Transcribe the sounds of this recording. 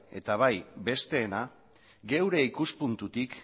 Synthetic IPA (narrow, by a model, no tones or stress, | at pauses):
e̞t̪aβ̞ajbe̞st̪e̞ːna | ɡe̞wɾe̞ikuspunt̪ut̪ik